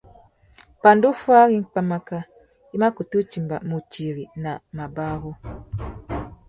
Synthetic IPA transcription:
pa˨ndo˦fa˦ɣi˦ŋ̩˦k͡pa˦ma˦ka˦ | i˦ma˦ko˨tu˦t͡ʃi˨mba̰˨mu˨ti˨ɾi˨na˨ma˨ba˦ɣɔ˦

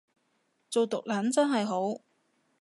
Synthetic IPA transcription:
t͡so˨wt̪ʊ˨k̚laː˨˥nt͡sɐ˥nɦɐ˨jɦo˨˥w

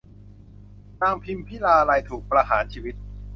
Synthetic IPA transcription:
naː˧ŋpʰi˧mpʰiː˥˩laː˧ɾaː˧jt̪ʰuː˨˩k̚pɾa˧ɦaː˩˦nt͡ɕʰiː˧wi˦˥t̪̚

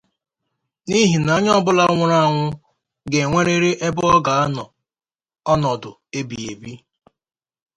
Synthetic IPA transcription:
ni˦ɦi˨na˨˦ɲ˦ɔ˦bʊ˦la˦ŋʷʊ˦ɾa˦˨ŋʷʊ˦ | ɡe˨ŋʷe˦ɾe˦ɾe˦ʔe˦bʊ˦ɔ˦ɡa˨a˦nɔ˨ | ɔ˦nɔ˨dʊ˨e˦bi˨e˨bi˦

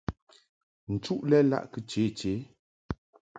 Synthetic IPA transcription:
n̩˨t͡ʃu˦ʔlɛ˦la̰˦˨ʔkə˦t͡ʃe˨˦˨t͡ʃe˨˦

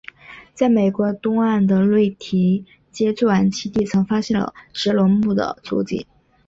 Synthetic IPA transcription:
t͡sa˥˩ɪme˨˩ɪkwɔ˧˥t̪ʊ˥ŋa˥˩nd̪ə˩lwe˥˩ɪt̪ʰi˧˥ | t͡ɕjɛ˥t͡sɔ˥˩a˧˥nt͡ɕʰi˥t̪i˥˩t͡sʰɤ˧˥ŋfa˥ɕjɛ˥˩nlə̰˩ʂɻ̩˧˥lwɔ˧˥npu˥˩d̪ə̰˩t͡sṵ˧˥t͡ɕḭ˥˩˦

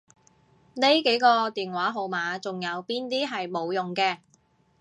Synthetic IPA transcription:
ne˥jke˨˥jkɔː˧t̪iː˨nwaː˨˥ɦo˨˧wmaː˨˧t͡sʊ˨ŋjɐ˨˧wpiː˥nt̪iː˥ɦɐ˨jmo˨˧wjʊ˨ŋkɛː˧

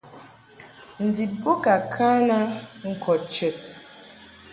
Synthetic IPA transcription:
n̩˨di˨bo˦ka˨kʰa˦na˦ŋ̩˨kʰɔ˨t̚t͡ʃe˨t̚

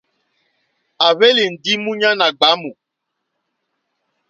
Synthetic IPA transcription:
a˨βe˦li˨n̩˨di˦mũ˦ɲã˦na˨ɡ͡ba˨˦mũ˨

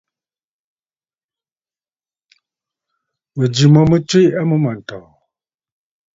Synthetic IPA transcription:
mə˨d͡ʒi˨mɔ˨mə˦t͡ʃwe˦a˦mə˦ma˨n̩˨tɔ˨

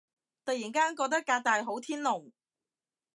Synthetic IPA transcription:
t̪ɐ˨jiː˨˩nkaː˥nkɔː˧k̚t̪ɐ˥k̚ːaː˧k̚t̪aː˨jɦo˨˥wt̪ʰiː˥nlʊ˨˩ŋ

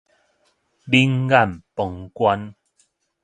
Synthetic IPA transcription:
li˦ŋɡa˦˨mpɔ˨˩ŋkwa˦n

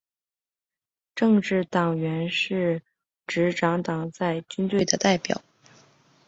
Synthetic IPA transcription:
ʈ͡ʂɤ˥˧ŋʈ͡ʂɻ̩˥˩t̪ɑ˨˩ŋɥɛ˧˥nʂɻ̩˥˩ | ʈ͡ʂɻ̩˧˥ʈ͡ʂɑ˧˥ŋt̪ɑ˨˩ŋt͡sa˥˩ɪt͡ɕy˥nt̪we˥˩ɪd̪ə˩t̪a˥˩ɪpjɑ̰˨˩˦ʊ

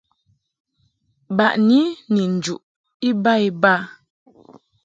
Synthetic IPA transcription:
ba˨ʔni˦ni˨n̩˨d͡ʒu˨ʔ | i˦ba˦i˦ba˦˨

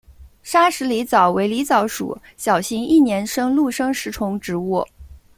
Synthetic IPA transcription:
ʂa˥ʂɻ̩˧˥li˧˥t͡sɑ˨˩ʊwe˧˥ɪli˧˥t͡sɑ˨˩˥ʊʂṵ˨˩˦ | ɕjɑ˨˩ʊɕi˧˥ŋi˥˩njɛ˧˥nʂɤ˥ŋlu˥˩ʂɤ˥ŋʂɻ̩˧˥ʈ͡ʂʰʊ˧˥ŋʈ͡ʂɻ̩˧˥wɔ˥˩

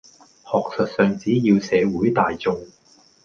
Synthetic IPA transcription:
hɔː˨k̚sɵ˨t̚sœː˨ŋt͡siː˨˥jiː˧wsɛː˨˧wuː˨˥jt̪aː˨jt͡sʊ˨˧ŋ

